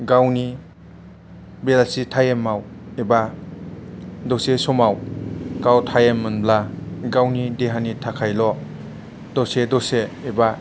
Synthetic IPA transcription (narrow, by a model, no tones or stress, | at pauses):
ɡawni | belasitʰajemːaw | eba | dosesɔmawkawtʰajemːɯnblaɡawnideɦanitʰakʰajlɔ | dɔsedɔseːba